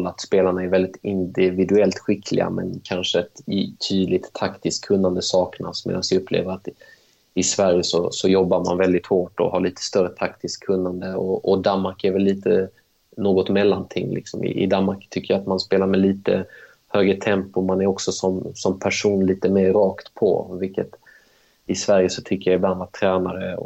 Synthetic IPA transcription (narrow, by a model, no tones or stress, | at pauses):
lːat̪speːlaɳaɛɾvɛld̪ɪt̪ɪnd̪ɪvɪd̪ɵɛlt̪ɧɪkʰlɪ̰ɡa̰mɛ̰nkʰanʂəɛt̪t̪ʰːyːd̪lɪt̪ʰːakt̪ɪskʰːɵnːand̪əsɑːkna̰smḛːd̪ansvɪɵpʰːlḛːvəɾat̪ | ɪsvæɾjəsɔ̰sɔjɔbːama̰nvɛld̪ɪt̪hoːʈɔ̰haɭiːt̪ʰə̥st̪œrət̪ʰakt̪ʰɪskʰːɵnːand̪əɔɔd̪anmaɾkæɾvɛlːiːt̪ʰə | noːɡɔt̪mɛlːant̪ʰɪŋːlʔɪ̰ksɔmʔɪ̰ʔɪ̰d̪anmaɾkt̪ʰʏkːəjaat̪manspeːlaɾmɛliːt̪ə̰ | høːɡɾət̪ʰɛmpʊmanæɾɔksɔsɔmsɔmpʰæʂuːnliːt̪əmeːɾːɑːkt̪pʰɔ̰vɪlkːət̪ | ɪsvæɾjəsɔt̪ʰʏkːəjaɪbland̪vaʈʰɾɛːnaɾəɔ̰